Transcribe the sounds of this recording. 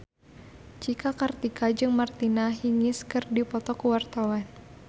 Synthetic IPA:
t͡ʃikakart̪ikʰad͡ʒɨŋmart̪inaɦiŋɪskɨrdipɔt̪ɔkuwart̪awan

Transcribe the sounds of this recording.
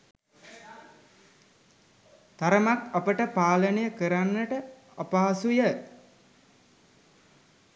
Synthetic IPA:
t̪aɾəmakapəʈəpaːlənəjəkəɾanːəʈə | apaːasujə

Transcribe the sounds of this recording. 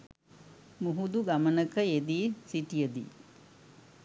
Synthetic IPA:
muɦud̪uɡamənəkəed̪iːsiʈijəd̪ḭ

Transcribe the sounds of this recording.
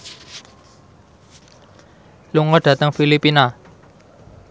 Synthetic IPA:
luŋɔɖ̥ä̤t̪əŋfilipina

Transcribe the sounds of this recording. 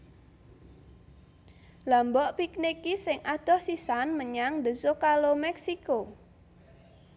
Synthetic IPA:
lambɔʔpiknikisɪŋʔad̪̥ɔ̤hsisanməɲaŋd̪əsokalomɛksiko

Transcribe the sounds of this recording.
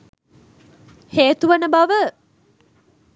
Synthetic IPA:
heːt̪uʋənəbaʋə

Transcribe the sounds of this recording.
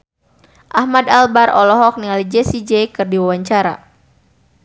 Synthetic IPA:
ʔahmadalbaɾʔɔlɔɦɔk̚nialid͡ʒɛsid͡ʒɛjkɨrdiwawaɲt͡ʃaɾa̰

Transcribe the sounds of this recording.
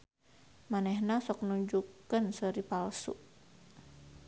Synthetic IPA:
manɛhnasɔknuɲd͡ʒukənsəɾipalsṵʔ

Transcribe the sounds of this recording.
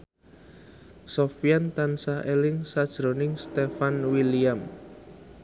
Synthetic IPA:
sɔfijant̪ansaʔelɪŋsad̥ʒ̥ɾo̤nɪŋst̪efanwiliam

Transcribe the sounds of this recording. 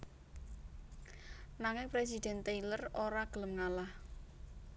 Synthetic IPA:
naŋɪŋpɾes̬id̪̥ɛ̤nt̪ejləroɾaɡ̥ələmŋalah

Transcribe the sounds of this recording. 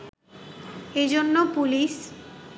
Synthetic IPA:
ed͡ʑonːopulis

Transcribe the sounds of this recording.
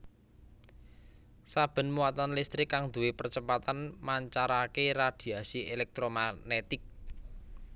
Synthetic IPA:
sab̥ə̤nmuwat̪anlist̪ɾɪkːaŋd̪ṳwepərt͡ʃəpat̪anmaɲt͡ʃaɾakerad̪̥i̤asielɛk̚t̪ɾomanet̪ɪk̚

